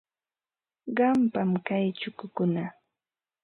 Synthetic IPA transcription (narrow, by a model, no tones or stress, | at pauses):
ɢɑmpamkajt͡ʃʊkʊkʊna